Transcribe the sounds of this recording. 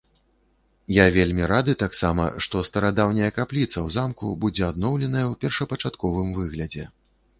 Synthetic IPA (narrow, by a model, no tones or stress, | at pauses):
javʲelʲmʲiɾad̪ɨt̪aksamɐ̰ʂt̪ɔst̪ɐɾad̪awnʲɐjɐkaplʲit̪sɐwzamkṵbud͡zʲɛad̪nɔwlʲɛnɐjɐwpʲɛrʂɐpɐt͡ʂat̪kɔvɨmvɨɣlʲɐd͡zʲɛ